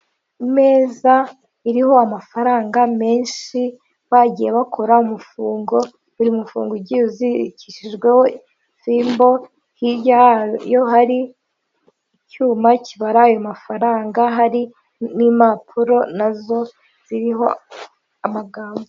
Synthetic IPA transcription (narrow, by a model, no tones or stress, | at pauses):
ime̞ːza | iɾiho̞amafaɾaːŋɡame̞ːnʃi | βaɟijeβakʰo̞ɾaumufuːŋɡo̞ | iɾiumufṵːŋɡoɟiuziciʃiʒɡwe̞ho | fiːmbo̞ | hiɾɟajo̞ɦaɾi | cuːmacʰiβaɾaːjo̞mafaɾaːŋɡaɦaɾi | nimapʰuɾo̞nazo̞ | z̥iɾiɦo̞̰ | amaɡaːmbo